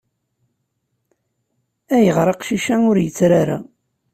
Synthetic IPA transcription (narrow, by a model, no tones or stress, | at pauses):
æjəʁɾˤɑqʃiʃæʊɾjət͡sːɾaɾa̰